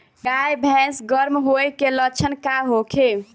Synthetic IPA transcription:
ɡajbʱɛ̃sɡəɾmɦojkelət͡ʃʰənkaɦokʰe

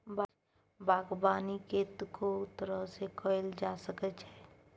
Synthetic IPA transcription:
ba | bʱaːɡbaːniket̪kʰot̪əɾəɦsekʰəɪld͡ʒaːsəkət͡ʃɦɛː

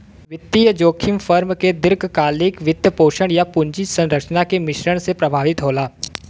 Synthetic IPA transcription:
ʋɪt̪ːijəd͡ʒoːkʰɪmfʰəɾmked̪ɪɾɡkaːlɪkʋɪd̪jəpoːʃəɽjapʊ̃ɲd͡ʒisɐ̃nɾəkʃnakemɪʃɾəɽ̃sepɾɐbʱaːʋɪt̪ɦoːlaː

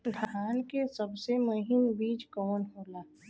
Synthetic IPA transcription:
d̪ʱaaːnkesəbsemʊɦɪmbiːd͡ʒkɔːnɦoːlaː

